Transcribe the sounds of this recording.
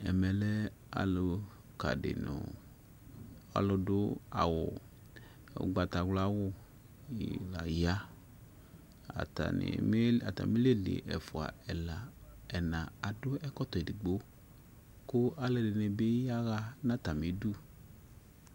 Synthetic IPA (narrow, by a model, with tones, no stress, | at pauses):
ɛ̰˨mɛ˨lɛ˦ | a̰˨lʊ˧ | ka̰˨dɪ̰˨nʊ̰˨ | a̰˨lʊ˧dʊ˦a̰˨wʊ˨ | ɡ͡ba˨˧ta˨ɡla˦wʊ˦˨ | la˨ja˦ | a̰˨ta̰˨nɪ̰˨m˦a˨ta̰˨mi˦le˦lḛ˨ʔɛ̰˨fʊ˨a̰˨ɛ˨la˨ɛ˨nã˨a˨dʊ˦ɛ˦kɔ˦t̪ɔ˨i˨i˨ɡ͡bo˦ | kʊ˦a˨le˧dɪ˨ne˨be˦ja˦ɣa˧nã˦ta˨mi˨˦du˦˨